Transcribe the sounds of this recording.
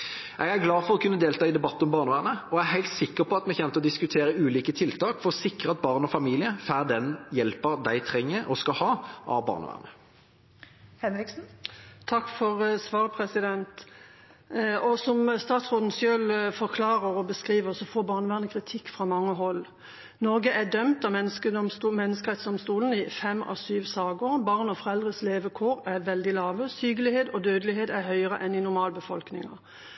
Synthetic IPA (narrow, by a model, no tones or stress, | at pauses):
ʔɛɡæʁɡlɑːfɔʁɔkʰʉnːəd̪eːlt̪ʰɑːɪd̪ɛbɑt̪ːɔmbɑːʁnəʋæːʁnəɔæɦæɪlt̪sɪkːəʁpʰɔɑt̪mɛçɛmt̪əɔd̪ɪskʉt̪ʰeːʁəʉːliːkət̪ʰɪlt̪ʰɑːkfɔʁɔsɪkʁəɑt̪̚bɑʁnɔfɑmiːlɪəfæːʁd̪ɛnjɛlpəʁd̪æɪt̪ʰʁɛŋːəɾɔskɑhɑːʔɑ̰bɑ̰ːʁnə̰ʋæ̰ːʁnə | hɛnɾɪksn̩t̪ʰɑkːfɔʁsʋɑːʁəpʰɾɛsɪd̪ɛnt̪ | ʔɔsɔmst̪ɑːt̪sʁoːt̪n̩sjøːlfɔʁkʰlɑːʁəʁɔbəskʁiːʋəʁsɔfoːbɑːʁnəʋæːʁnəkʰʁɪt̪ʰɪkːfʁɑmɑŋːəɦɔlː | nɔʁɡəʔæd̪œmt̪ɑmɛnskəsmɛnːəskəʁɛt̪sd̪ɔmst̪uːln̩ɪfɛmːɑ̰syːʋsɑːɡəʁbɑʁnɔfɔʁɛld̪ʁəsleːʋəkʰoːɾæʁʋɛld̪ɪlɑːʋəsyːɡəlɪheːd̪ɔd̪øːd̪əlɪɦeːd̪æʁɦœʏəʁə̰ʔɛnɪnʊʁmɑːlbəfɔlknɪ̰ŋɑ̰